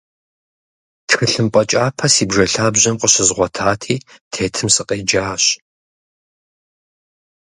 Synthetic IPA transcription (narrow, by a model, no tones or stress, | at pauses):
txɨɬɨmpʼɐt͡ʃʼaːpʰɐsiːbʐɐɬaːbʑɐmqəɕɪzʁʷɔtʰaːtʰiːtʰeːtʰɨmsɨqʼeːd͡ʒaːɕ